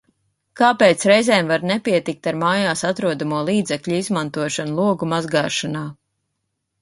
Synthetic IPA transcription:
kaːpeːt̪sɾɛjzɛːmvaɾnɛpiɛt̪ik̚t̪aɾmaːjaːsat̪ɾuɔd̪amuɔlˠiːd̪zɛkʎʲuizmant̪uɔʃanulˠuɔɡumazɡaːʃanaː

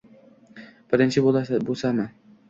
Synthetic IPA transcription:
b̥ɪɾɪnt͡ʃʰɪbolabolˠsamɪ

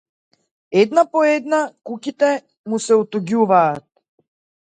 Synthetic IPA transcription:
ɛd̪napɔɛd̪nakukit̪ɛ | musɛut̪uɡuvaːt̪̚

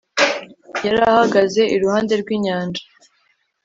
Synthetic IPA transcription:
jaɾahaɡaze̞ʔiɾuhaːnde̞ɾɡwiːɲaːnd͡ʒḁ

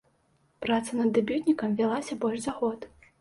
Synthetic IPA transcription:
pɾat̪sɐnɐd̪ːabʲut̪ʲnʲikɐmvʲalˠasʲɐbɔlʲʂzaɣɔt̪

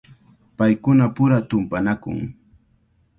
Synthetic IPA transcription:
pajkʊnapʊɾat̪ʊmpanakʊ̰ŋ

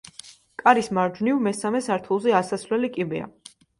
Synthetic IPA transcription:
kʼaɾismaɾd͡ʒnivmɛsamɛsaɾt̪ʰulˠzɛasasvlɛlikʼibɛa̰

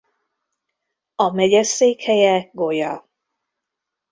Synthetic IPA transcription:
ɒmɛɟɛseːkhɛjɛɡo̞jɒ

